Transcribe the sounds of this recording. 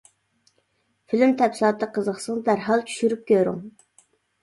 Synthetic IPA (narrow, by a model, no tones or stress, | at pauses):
filymt̪ʰɛpsilˠɑt̪ʰːəqʰəzəχsəŋd̪æɾɦɑlˠt͡ʃʰy̥ʃyɾyp̚kʲøɾy̰ŋ